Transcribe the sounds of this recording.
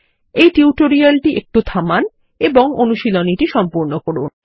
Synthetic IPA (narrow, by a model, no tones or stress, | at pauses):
ejʈiuʈoɾialʈiʔek̚ʈut̪ʰaman | eboŋonuʃiloniʈiʃɔmpoɾnokoɽun